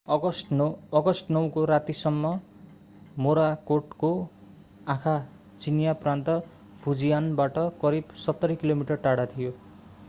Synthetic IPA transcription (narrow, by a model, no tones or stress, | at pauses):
ʌʌɡʌsʈnʌw̃koɾat̪isʌmːʌ | moɾakoʈko | ãkʰa | t͡sinjaprant̪ʌ | pʰud͡zijanbaʈʌkʌɾibsʌt̪ːʌɾʌkilomiʈʌrʈaɽat̪ʰijo